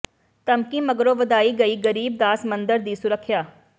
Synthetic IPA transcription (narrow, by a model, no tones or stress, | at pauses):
t̪əmkiːməɡɾõːʋəd̪aːiːɡəiːɡəɾiːb̚d̪aːsmənd̪əɾd̪iːsʊɾəkʰːjaː